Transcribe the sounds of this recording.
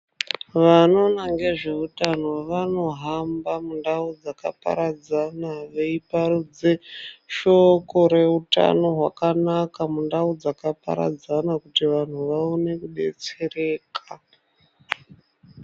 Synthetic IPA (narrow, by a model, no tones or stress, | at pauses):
ʋano̞naŋɡe̞ʐe̞utano̞ʋano̞ɦambamundaud͡zaka̰pa̰ɾad͡zanaʋe̞iparud͡zeʃo̞ko̞ɾe̞uta̰no̞ɦwakanakamundaud͡zakapa̰ɾa̰d͡zanakutiʋan̤uʋaone̞kuɗe̞̰t͡se̞re̞ːkʰa